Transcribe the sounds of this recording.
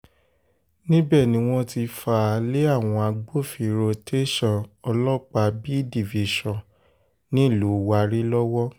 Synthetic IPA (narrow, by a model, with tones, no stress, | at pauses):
nĩ˦bɛ˦˨nĩ˨˦w̃ɔ̃˧ti˧fa˧˨˧le˦a˦˨w̃ɔ̃˧a˧ɡ͡bo˦˨fi˨ɾo˧te˦ʃɔ̃˦˨ɔ˧lɔ˦k͡pa˧bi˦di˦˨vi˨ʃɔ̃˨ | nĩ˦˨lu˨˦wa˧ɾi˦lɔ˦wɔ˦